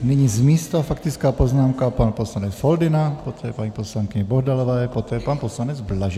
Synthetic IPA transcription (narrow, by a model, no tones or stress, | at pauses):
nɪɲizmiːst̪afak̚t̪ɪt͡skaːpoznaːmkapanposlanɛt͡sfold̪ɪnapot̪ʰɛːpaɲiposlaŋkɪɲɛbɔɦdalɔvɛːpot̪ɛːpanposlanɛd͡zblaʒɛ